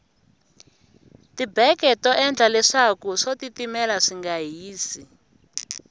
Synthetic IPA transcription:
tibɛkɛtɔʔɛnd͡ɮʱalɛʂakuʂotitimɛlaʂiŋɡaɦiːsi

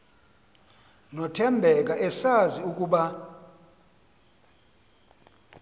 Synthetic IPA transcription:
nɔtʰɛmbʱɛk̬ʼaʔɛsaziuk̬ʼuːɓa

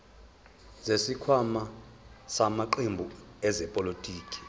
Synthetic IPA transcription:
zesikʰwamasamaǃembʱuɛzɛpʼolitʼiːkʼi̥

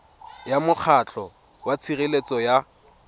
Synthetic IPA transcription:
jamʊk͡xʰat͡ɬʰʼɔ | wat͡sʰirɪlet͡sɔja

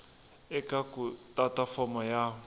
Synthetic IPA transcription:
ɛkakutʼatafɔmɔja

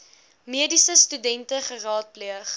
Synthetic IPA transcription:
miədisəstydɛntəχərɑːt̚pliəχ

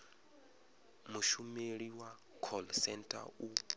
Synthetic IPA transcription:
muʃumeɺiwa | kʰɔlsɛntʼa̰u

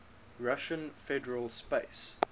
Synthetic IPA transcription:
ɹaʃə̃nfɛdəɹəlˠspeɪs

